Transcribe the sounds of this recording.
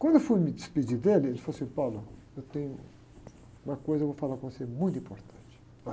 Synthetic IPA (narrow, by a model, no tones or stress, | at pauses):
kwɐ̃nd̪ewfujmid̪isped͡ʒid̪elielfosĩpawlɐ | ewt̪ẽɲʊ | ũmɐkojzɐewvofalaɾkõmsemũj̃t̪ĩpoɾt̪ɐ̃nt͡ʃi̥